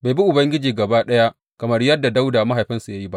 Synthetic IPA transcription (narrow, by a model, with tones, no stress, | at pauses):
ba˨jbi˦ʔʊ˨bɐ˦ŋɡʲɪ˦d͡ʒiː˨ɡɐ˨baː˦ɗɐ˦ja˦ | kɐ˨mɐ˦rjɐ˦dːa˨da˦wdaː˨ma˦ɦa˨jɸɪ˦nsu˨ja˦ji˦ba˦ʔ